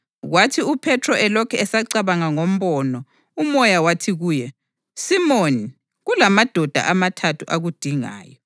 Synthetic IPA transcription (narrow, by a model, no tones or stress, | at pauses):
ɣwatʰiupʰɛtʰrɔʔɛlɔkʰɛɛsaǀaβaŋaŋom̩βɔnɔ | umɔjawatʰiɣuːjɛ | simoni | ɣulamad̥ʱɔd̥ʱa̰ʔamatʰatʰuʔaɣud̥ʱiŋa̰ːjɔ